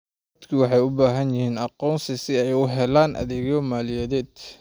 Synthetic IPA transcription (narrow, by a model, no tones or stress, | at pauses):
d̪kʰiwɑħɑjʊbaːɦɐnjɪhiːnɑqɔːnsɪsɪɛjʊɦɛlaːnʔɐ̰ðɪɣɔmaːlɪjɛðɛːd̪